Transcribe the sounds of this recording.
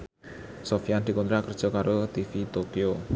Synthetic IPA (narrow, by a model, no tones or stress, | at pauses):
sofijand̪i̤kɔnt̪ɾakərd̥ʒ̥ɔ̤kaɾot̪ifit̪okio